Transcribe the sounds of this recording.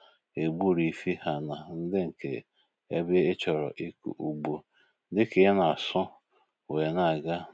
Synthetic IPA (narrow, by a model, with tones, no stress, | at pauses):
e˨bu˦ɾi˨˦fi˦ha˨na˨n̩˦dɪ˦ŋ̩˨kḛ˨ | e˦be˦e˦t͡ʃɔ˨ɾɔ̰˨ʔi˦kṵ˨ʔu˨ɡ͡bo˦ | dɪ˦ke˨˦na˨sʊ˦ | we˨na˦˨ɡa˦